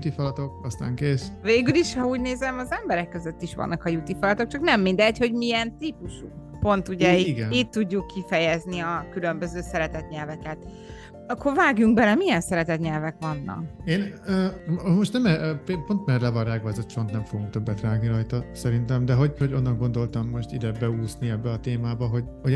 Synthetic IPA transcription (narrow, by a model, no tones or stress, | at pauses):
ut̪ifɒlɒt̪o̞kɒst̪a̰ːŋkeːsveːɡyliʃhɒuːɟneːzɛmɒzɛmbɛɾɛkːøzøt̪ːiʃʋɒ̰nːɒkɒjut̪ifɒlɒt̪o̞k̚t͡ʃɒknɛmːind̪ɛɟho̞ɟmiɛnt̪ipuʃuk | po̞nt̪uɟɛiiɡɛniːt̪ːuɟːukːifɛjɛzniɒkylø̞mbø̞zøːsɛɾɛt̪ɛt̪ɲɛlvɛkɛt̪ | ɒkʰːo̞rvaːɡjuŋɡbɛlɛmijɛnsɛɾɛt̪ɛt̪ɲɛlvɛkʋɒnːɒ̰keːnøːmo̞ʃt̪nɛmɛpepont̪mɛrlɛvɒraɡvɒɛzot̪pont̪nɛɱfoɡuŋk̚t̪øbːɛt̪raːɡniɾɒjt̪ɒsɛɾint̪ɛmd̪ɛɦo̞ɟho̞ɟo̞nːɒŋɡo̞nd̪o̞lt̪ɒmːo̞ʃt̪id̪ɛbɛuːsniɛbːɛɒt̪eːmaːbɒɦo̞ɟho